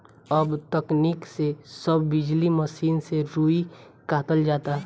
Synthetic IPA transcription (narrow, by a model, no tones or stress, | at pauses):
ɐbt̪ɐkniksesəbːɪd͡ʒliməsiːnseɾuːi | kaːt̪əld͡ʒaːt̪aː